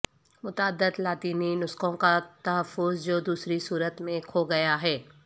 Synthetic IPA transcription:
mʊt̪aəd̪ːəd̪laːt̪iːninʊskõkat̪ɐɦəfːʊzd͡ʒoːd̪uːsɾisuːɾət̪mẽkʰoɡɐjaɦɛː

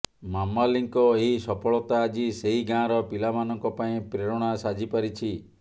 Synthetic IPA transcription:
mamaliŋkɔeɦisɔpʰɔɭɔt̪aːd͡ʒiseɦiɡãɾɔpilamanɔŋkɔpaĩpɾeɾɔɽ̃asad͡ʒipaɾit͡ʃʰi

